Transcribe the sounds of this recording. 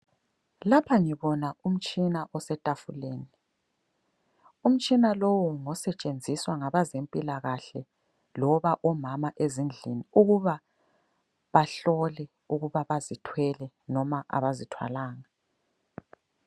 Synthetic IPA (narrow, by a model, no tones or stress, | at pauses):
lapʰaŋiβɔnaum̩t͡ʃʼinaʔɔsɛtʼafuleːni | um̩t͡ʃʼinalowɔŋɔsɛt͡ʃʼend͡zʱiswaŋaβazempʼilaɣaɬɛ | lɔβaʔɔmamaʔezind͡ɮʱiniuɣuβa | βaɬɔlɛ | uɣuβaβazitʰwɛlɛ | nɔmaʔa̰βazitʰwa̰laːŋa